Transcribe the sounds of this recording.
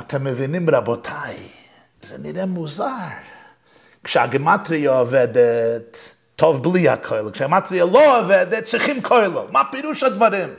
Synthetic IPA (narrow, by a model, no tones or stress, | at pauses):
atʰɛməvɪnɪmɾabɔtʰaɪ | zanɪɾɛmuzaɾ | kʃa̰ɡəmatɾɪɔvɛdətʰː | ɔvblˠiːa̰kʰɔɪlˠəkʃaɡmatɾɪjəlˠɔvɛdətt͡sɪχɪmkʰɔɪlˠəmapɪɾuːʃadvaɾɪm